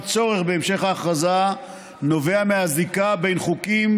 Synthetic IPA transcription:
t͡so̞ʁe̞χbeːmʃe̞χhaχaza | no̞ve̞ameazikabe̞jnχukim

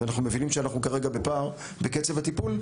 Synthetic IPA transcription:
anaχnume̞vinimʃeanaχnukaʁe̞ɡabe̞paːʁ | beket͡sevat̪ipul

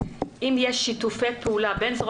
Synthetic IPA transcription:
ʔimjɛʃːit̪ufet̪̚pʰeulabenzʁ

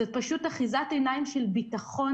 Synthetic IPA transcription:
ot̚paʃutaχizatenaimʃelbitaχo̞

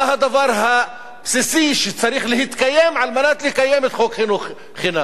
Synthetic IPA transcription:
ahad̪avaɾˤɦa | bsisiʃet͡saɾiχlɪɦhit̪kajːemʕalmanat̪lɪkajːemet̪xokχɪnu | χɪna

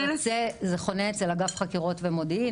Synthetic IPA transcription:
t͡sezeχo̞neet͡selaɡafχakiʁo̞tvemodi

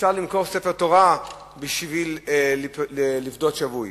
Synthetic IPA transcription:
ʃaʁlimko̞ʁsefeʁt̪o̞ʁa | biʃvil | elifd̪o̞t̪ʃavuj

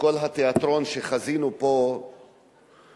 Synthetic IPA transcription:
ko̞lɦat̪eat̪ɾo̞nʃeχazinupo̞

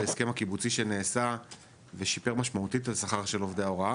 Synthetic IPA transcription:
eeskemhakibut͡siʃene̞ːsa | veʃipe̞ʁmaʃmaut̪italsaχaʁʃe̞lo̞vdeao̞ʁa

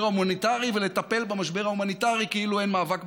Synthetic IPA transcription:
aumanit̪aʁivelet̪ape̞lbemaʃbe̞ʁaumanit̪aʁikeiluenmaːvak

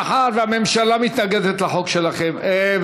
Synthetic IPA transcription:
ħatveame̞mʃalamit̪naɡed̪et̪laħo̞kʃelaχeme

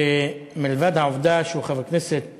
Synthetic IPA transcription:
emilvad̪haovd̪aʃeuχavakneset̪

